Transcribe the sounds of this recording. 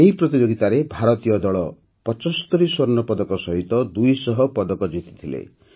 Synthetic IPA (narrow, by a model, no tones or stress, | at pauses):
eɦipɾɔt̪id͡ʒoɡit̪aɾebʱaɾɔt̪ijɔd̪ɔɭɔ | pɔt͡ʃɔst̪ɔɾiswɔɾnɔpɔd̪ɔkɔsɔɦit̪ɔd̪ujsɔɦɔpɔd̪ɔkɔd͡ʒit̪i̥t̪ʰilḛ